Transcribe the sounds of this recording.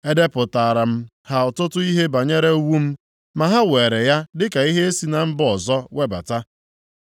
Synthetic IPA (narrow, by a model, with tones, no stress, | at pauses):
e˦de˦pʊ˨ta˨ɾa˨m̩˦ | ha˨ʊ˨tʊ˦tʊ˦i˦ɦe˦ba˨ɲe˦ɾe˦wu˦m̩˦ | ma˨ɦa˦weː˨ɾe˨ja˦dɪ˦ka˨i˦ɦe˦e˦si˨na˨m̩˦bɔ˨zɔ˦we˦ba̰˨ta˦